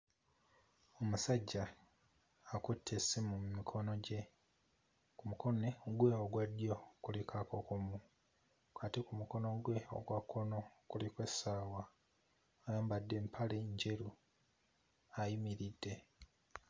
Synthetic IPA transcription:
o̞musaɟːaː | kutʰːesimumikʰo̞no̞ɟe̞ | kumuko̞neɡwe̞oɡwadjo̞kulikʰakokomu | katikumuko̞noɡwe̞o̰ɡwakʰːo̞no̞kulikwe̞saːwa | ojaːmbadːe̞mpʰaleɲɟe̞ɾu | ajimiɾidːe̞

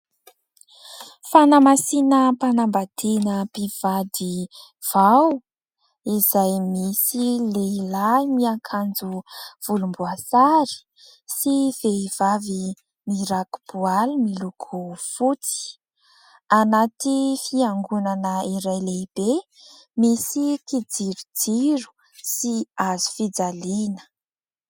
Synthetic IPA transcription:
fanamasinəpanambad̪enəpiv̥ad̪i | v̥aw | izajmisilelamiakʰand͡zuv̥ulumbuasaɾi̥ | siveiv̥avi | miɾaku̥b̥ualimilukʰufut͡si̥ | anat̪ifiaŋɡunanəiɾajleb̥e | misikid͡ziɾud͡ziɾu̥ | siazu̥fid͡zalinə̥

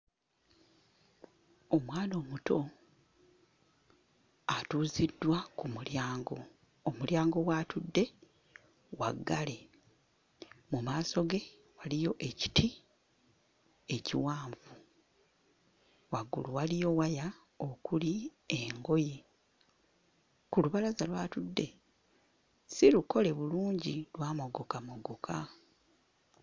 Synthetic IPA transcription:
omwaːno̞ːmuto̞ | atuːzidːwakumuljaːŋɡo | omuljaːŋɡo̞watudːe̞ | wa̰ɡːale | mumaːso̞ɡe̞ | walijo̞ʔe̞ci̥tʰi | e̞ciwaːɱvu | waɡṵluwalijo̞waja | okulieŋɡo̞je | kuluβalazalwaːtudːe̞ | siluko̞le̞βuluːɲɟilwaːmo̞ɡo̞kamoɡokʰa

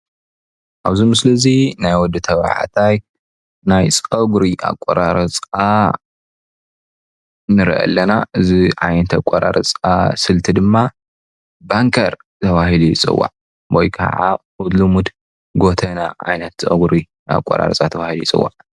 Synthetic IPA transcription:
ʔaβzimɨslɐzinajwɔd̪ːɨt̪ʰɐβ̰ʕa̰t̪ʰaj | najt͡sʼɐɡɾiʔa̰kʼːoɾaɾɐt͡sʼa | nɨɾʔɐ̰lːɐnaʔɨziʕajnɐt̪ʰakʷʼoɾa̰ɾɐ̰t͡sʼasɨlt̪ʰid̪ɨmːa | baŋkʰɐɾ | t̪ʰɐβahilujɪt͡sʼɨ̰wːa̰ʕ | bojkʰɐ̰ʕa̰ | ud̪lumud̪ | ɡo̞t̪ʰɐnaʕa̰jnɐt̪ːɐɡuɾi | a̰kʷʼːo̰ɾa̰ɾɐt͡sʼat̪ʰɐβahilujit͡sʼɨ̰wːa̰ʕ

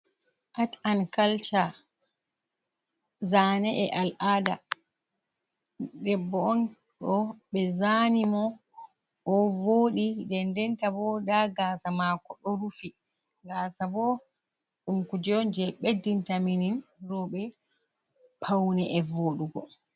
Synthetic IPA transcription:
ʔatankalt͡ʃa | zaːnɛʔɛʔalʔada | dɛbːɔɔn | ɔɓɛzanimɔ | ʔːvoːɗidɛndɛntabɔdaɡaːsamakɔɗɔɾufi | ɡasabɔ | ɗumkud͡ʒɔnd͡ʒɛɓedːintamininrɔɓɛ | pʰawnɛʔɛvoːɗuɡɔ

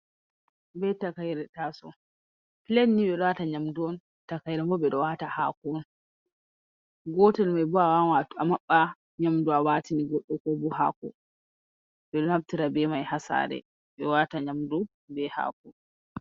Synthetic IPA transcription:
bɛtakajɾɛtasɔ | pilenːiɓɛɗɔwataɲamduɔn | takajɾɛmbɔbɛɗɔwataha̰ːkɔn | ɡɔtɛlmajbuawawatamaɓːa | ɲamduawaːtiniɡɔɗːɔkɔbuha̰ːkɔ̰ | bɛɗɔnhaftiɾabɛmajhasa̰ːɾɛ̰ | ɓɛwataɲamdu | bɛha̰ːkɔn

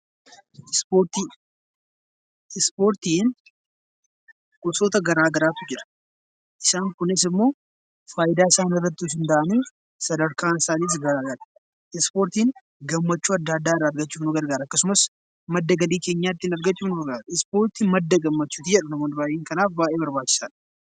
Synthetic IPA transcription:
spoːɾt̪iː | ɪspo̞ːɾt̪iːn | kʊsoːt̪ɐɡɐɾaːɡɐɾaːt̪ʊd͡ʒɪɾɐ̥ | ʔɪsaːŋkʊnɪs̬ɪmːo̞ː | faːjɪd̪aːɪsaːnɪrːɐt̪ːɪʊsɪnd̪aʔɐnuː | sɐd̪ɐɾkaːnɪsaːniːs̬ɡɐɾaːɡɐɾɐ̥ | ɪspo̞ːɾt̪iːn | ɡɐmːɐt͡ʃːuːɐd̪ːaːd̪ːaːɪrːaːɾɡɐt͡ʃːuːfnʊɡɐɾɡaːɾɐɐkːɐsʊmɐs | mɐd̪ːɐɡɐliːke̞ːɲːaːt̪ːɪnɐɾɡɐt͡ʃːuːfnʊɡɐɾɡaːɾɪspo̞ːɾt̪iːmɐd̪ːɐɡɐmːɐt͡ʃːuːt̪id͡ʒɛᶑɐnɐmoːnɪbaːʔjʔeːŋkɐnaːfbaːʔeːbɐɾbaːt͡ʃːɪ̥saːᶑ

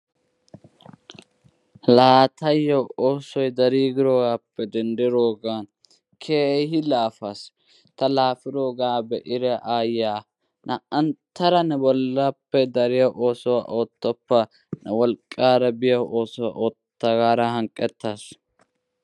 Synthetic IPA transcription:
laːt̪ɐjːɐwoːsɔjd̪ɐɾiːɡɪɾoːɡaːpːɛd̪ɛnd̪ɪɾoːɡaːn | kʰeːɦɪlaːfas | t̪ɐlaːfɪɾoːɡaːbɛʔɪɾɛʔaːjaː | nʔɐʔɐnt̪ːɐɾɐnɛbɔlːapːɛd̪ɐɾɪjɐʔoːsɔwa̰ʔoːt̪ːɔpːɐ | nɐwɔlkʼːaːɾɐbɪjɐwʔo̞ːsɔwa̰ʔoːt̪ːɐɡaːɾɐhɐŋkʼːɛt̪ːaːs

